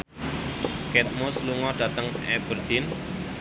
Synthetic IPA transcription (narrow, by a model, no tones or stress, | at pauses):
kɛt̪̚mʊsluŋɔɖ̥a̤t̪əŋɛb̥ərd̪̥ɪn